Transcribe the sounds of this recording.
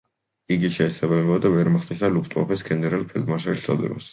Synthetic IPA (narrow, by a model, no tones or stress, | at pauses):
iɡiʃɛːsabamɛbad̪avɛɾmaχt̪ʼisalupʰt̪ʼɔ̰pʰɛsɡɛnɛɾalˠpʰɛld̪maʃaɾiʃsʰɔ̰d̪ɛ̰ɾɔ̰s